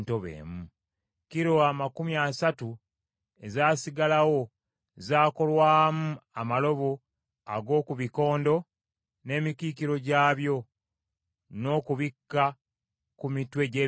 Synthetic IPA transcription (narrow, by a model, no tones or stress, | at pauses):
ntoβḛːmu | kiɾo̞amakumiasatu | e̞zaːsiɡalawo̞ | zaːko̞lwaːmuamalo̞βo | a̰ɡo̞ːkuβiko̞ːndo̞ | ne̞ːmikikiɾo̞ɟaːβjo̞ | no̞ːkuβikːa | kumitwe̞ɟe